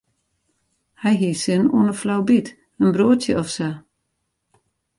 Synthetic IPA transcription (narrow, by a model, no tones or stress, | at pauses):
hɛjɦisɪnṵənəflawbit | ənbroətjəɔfsə